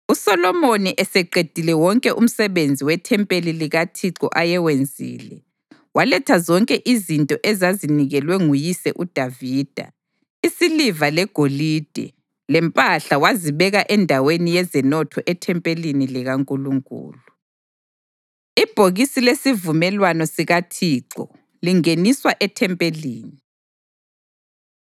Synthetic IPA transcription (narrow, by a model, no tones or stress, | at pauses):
usɔlɔmoniʔɛsɛǃed̥ʱilɛwɔŋkʼɛʔum̩sɛβend͡zʱiwɛtʰɛmpʼeliliɣatʰiǀɔʔajɛwend͡zʱḭːlɛ | walɛtʰazɔŋkʼɛʔizintʼɔʔɛzaziniɣɛlwɛŋujisɛʔud̥ʱaviːd̥ʱa̰ | isilivalɛɡ̥ʱolid̥ʱɛ̰ | lɛmpʼaɬawaziβɛɣaʔɛndʱawenijɛzɛnɔtʰɔʔɛtʰɛmpʼeliniliɣaŋkʼuluŋkʼṵːlu | ib̥ʱoɣisilesivumɛlwanɔsiɣatʰiːǀɔ̰ | liŋeniswaʔɛtʰɛmpʼeliːni